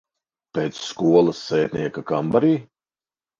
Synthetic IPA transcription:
peːt̪sːkuɔlˠɐsːeːt̪ʲnʲiɛkakambaɾiː

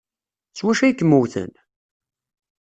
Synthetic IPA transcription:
t͡sːwæʃæjkːəmːuwθə̰n

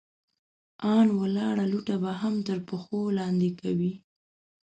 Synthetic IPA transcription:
ɑnwəlɑɽaluʈabaɦamt̪əɾpəxolɑnd̪ekawi

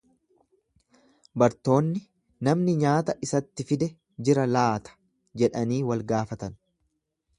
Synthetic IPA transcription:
bɐɾt̪o̞ːnːɪ | nɐmnɪɲaːt̪ɐʔɪsɐt̪ːɪfɪd̪ɛ | d͡ʒɪɾɐlaːt̪ʰɐ̥ | d͡ʒɛᶑɐniːwɐlɡaːfɐt̪ɐn

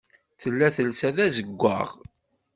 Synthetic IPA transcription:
θəlːæθəlsæðæzəɡʷːa̰ʁ

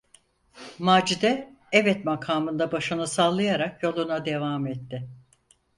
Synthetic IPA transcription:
maːd͡ʒid̪ɛ | ɛvɛt̪makʰaːmɯnd̪abaʃɯnɯsalˠːajaɾakjo̞lˠunad̪e̞vaːmɛt̪ːɪ

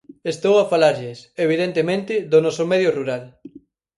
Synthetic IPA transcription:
est̪owafalaɾʎɪseβ̞iðent̪emẽnt̪ɪðonɔsomɛð̞joruɾal

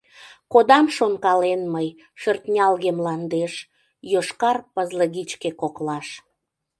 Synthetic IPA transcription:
kod̪ɑmʃonkɑlenməj | ʃørt̪nʲɑlɣemlɑnd̪eʃ | joʃkɑrpəzləɣit͡ɕkekoklɑʃ

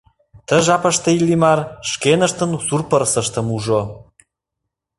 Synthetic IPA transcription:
t̪ə̆ʒɑpə̆ʃt̪ə̆ilːimɑrʃkenə̆ʃt̪ə̆nsurpəɾsə̆ʃt̪ə̆muʒo

